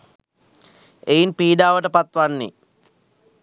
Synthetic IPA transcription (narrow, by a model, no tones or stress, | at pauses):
ejinpiːɖaːʋəʈəpat̪ʋanːḛ